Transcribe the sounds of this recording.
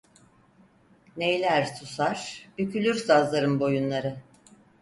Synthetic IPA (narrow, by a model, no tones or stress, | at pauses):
nejlʲæɾt̪ʰusaɾ̥b̥ycʰylʲyɾsazlˠaɾɯmbo̞junlˠaɾɯ